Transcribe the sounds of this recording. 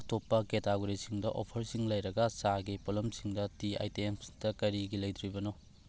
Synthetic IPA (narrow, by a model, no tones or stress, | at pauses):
ktopːɐketaɡoɾisiŋdɐʔo̰pʰɐɾsiŋlɐjɾɐɡɐsaɡipolɐmsiŋdɐtia̰jtemdɐkɐɾiɡilɐjt̪ʰɾibɐno